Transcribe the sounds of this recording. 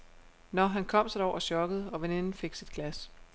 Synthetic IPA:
nɒɦænkʰɒ̽m̰sɒd̥ɒʊ̰ɒ̽ɕɒ̽ɡ̥əð̞̩ˠɒ̽ʋene̝nn̩fe̝ɡ̥sid̥̚ɡ̥læs

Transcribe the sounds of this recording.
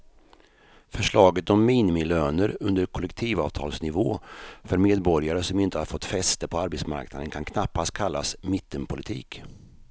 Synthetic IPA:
fœʂɭɑːɡət̪ɔmːiːnɪmɪløːnəɾɵnd̪əɾkʰɔlɛkt̪ʰiːvɑ̰ːvt̪ʰɑ̰ːlsnɪvoːfœɾmeːd̪bɔɾjaɾəsɔmɪnt̪əhaɾfɔt̪ːfɛst̪əpʰɔaɾbɛt̪sma̰ɾkna̰d̪ənkʰankʰnapːast̪̚kʰalːasmɪt̪ʰːəmpʰʊlɪt̪ʰḭːk

